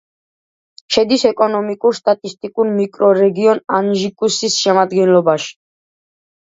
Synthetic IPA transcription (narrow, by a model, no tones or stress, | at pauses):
ʃɛd̪isɛkʼɔnɔmikʼuɾst̪ʼat̪ʼist̪ʼikʼuɾmikʼɾɔɾɛɡiɔnanʒikʼusisʃɛmad̪ɡɛnlɔbaʃi̥